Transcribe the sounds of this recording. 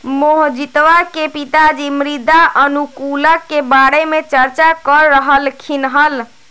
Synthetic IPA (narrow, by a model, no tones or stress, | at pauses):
moɦd͡ʒit̪ʋakepit̪ad͡ʒimɾid̪aʔənukuləkːebaɽemet͡ʃəɾt͡ʃakəɾːəɦəlkʰinɦəl